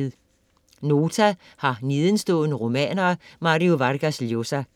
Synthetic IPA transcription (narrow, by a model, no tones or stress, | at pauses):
ð̩ˠ | no̝ːt͡sʰæ | hɑ̈niːðˠən̩sd̥ɔ̰̽ːðˠnəʁo̝mɛ̰ːnɐːmɑ̈ʁioʋɑʁɡ̥æsljo̝sæ